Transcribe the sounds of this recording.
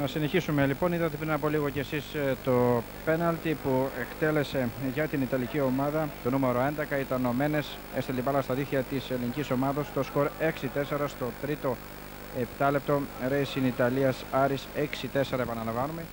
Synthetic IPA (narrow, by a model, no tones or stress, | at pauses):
nɐsine̞çisume̞lipo̞niðɐt̪epɾinɐpo̞liɣoce̞ːsist̪o̞ | pe̞nɐlt̪ipue̞kt̪e̞le̞se̞ʝɐt̪init̪ɐlicio̞mɐðɐt̪o̞nume̞ɾo̞e̞nd̪ekɐit̪ɐno̞me̞ne̞s | e̞st̪ilet̪ipɐlɐst̪ɐðiθçɐt̪ise̞liniciso̞mɐðɐst̪o̞sko̞ɾe̞ksit̪e̞se̞ɾɐst̪o̞t̪ɾit̪o̞ | e̞pt̪ɐle̞p̚t̪o̞ɾejsinit̪ɐliɐsɐɾiseksit̪e̞seɾɐepɐnɐlɐvɐnume̞